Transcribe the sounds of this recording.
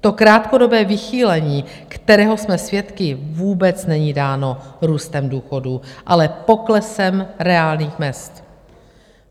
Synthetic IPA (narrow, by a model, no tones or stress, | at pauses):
t̪o̞kɾaːt̪ko̞do̞bɛːvɪxiːlɛɲiː | kt̪ɛɾɛːɦo̞smɛsvjɛt̪kɪvuːbɛt͡snɛɲiːdaːno̞ɾuːst̪ɛmduːxo̞duʔalɛpo̞klɛsɛmɾɛaːlniːxmɛst̪